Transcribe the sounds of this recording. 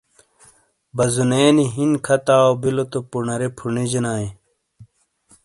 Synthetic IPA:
bɐzuneːniɦinkʰɐt̪aːobilot̪opunɐɾepʰuɳid͡ʑinaːe

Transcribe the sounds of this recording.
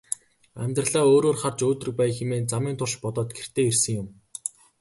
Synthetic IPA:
æ̰mʲt̪rə̆ɮaːoːɾoːrχart͡ɕoːt̪rɘ̆k̚pæjxemeːnt͡samiːnt̪ʰʊrʃpɔt̪ɔːt̪̚ɡer̥t̪ʰeːersɘ̆ŋjʊm

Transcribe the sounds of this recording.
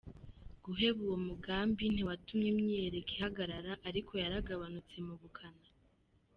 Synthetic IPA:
ɡ̥uɦe̞βuwo̞muɡaːmbin̥iwatumɲimɲieɾekihaɡaɾaɾaʔaɾikʰo̞jaɾaɡaβanut͡se̞muɡukʰana

